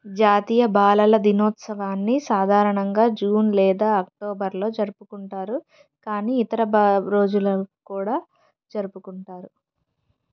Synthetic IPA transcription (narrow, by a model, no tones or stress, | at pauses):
d͡ʒaːt̪iːjɐbaːlɐlɐd̪inoːt̪sɐʋaːnːisaːd̪ʱaːɾɐɳɐŋɡaːd͡ʒuːnlɛːd̪aːɐk̚ʈoːbɐɾlo̞ːd͡ʒɐɾupukuɳʈaːɾu | kaːniːit̪ɐɾɐbɾo̞ːd͡ʒulɐkuːɽaː | d͡ʒɐɾupukuɳʈaːɾu